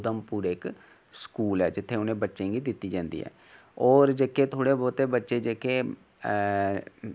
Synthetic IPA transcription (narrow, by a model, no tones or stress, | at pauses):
d̪əmpuːɾeːɪk | skuːlɛːd͡ʒɪt̪ʰːeːʊnẽːbətːʃẽːɡiːd̪ɪt̪ːiːd͡ʒãːnd̪ḭːɦɛ̰ː | ɔːɾd͡ʒeːkeːt̪ʰoːɽeːbɔːt̪eːbətːʃeːd͡ʒeːkeː